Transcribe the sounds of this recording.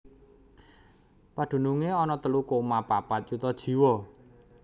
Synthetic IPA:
pad̪̥ṳnuŋeɔnɔt̪əlukomapapat̪̚t͡ʃut̪ɔd̥ʒ̥i̤wɔ

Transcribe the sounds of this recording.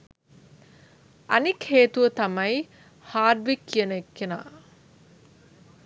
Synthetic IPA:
ɐnikheːt̪uʋət̪amɐj | haːɖʋikːijənəekːena̰ː

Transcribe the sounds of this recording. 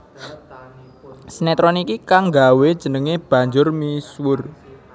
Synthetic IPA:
sinɛt̪ɾɔnikikaŋɡawed̥ʒ̥ə̤nəŋeb̥ä̤ɲd͡ʒʊrmiswʊr

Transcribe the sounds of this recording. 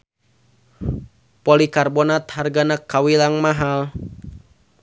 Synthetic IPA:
polikarbɔnat̪harɡanakːawilaŋmaɦal

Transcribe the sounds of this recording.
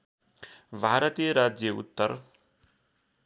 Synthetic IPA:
bʱaɾʌt̪ijəɾad͡ʒjʌṵt̪ːʌɾ

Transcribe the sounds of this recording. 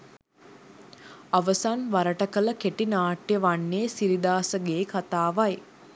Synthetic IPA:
aʋəsanʋaɾəʈəkələkeʈinaːʈjəʋanːeːsiɾid̪aːsəɡeːkat̪aːʋaj

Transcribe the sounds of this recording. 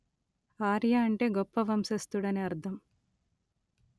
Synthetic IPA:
aːɾjaːɐɳʈe̞ːɡɔpːɐʋɐmsɐst̪uɽɐneɐɾd̪ʰʱɐm

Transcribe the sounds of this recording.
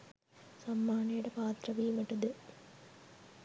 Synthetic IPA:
sɐmːaːɳɐjuɽepaːt̪rɐʋijumeʈːɐðɨ

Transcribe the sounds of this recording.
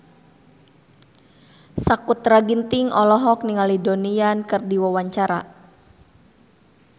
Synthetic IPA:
sakut̪raɡint̪ɪŋɔlɔɦɔk̚niŋalidoniankɨrdiwawaɲt͡ʃaɾa̰

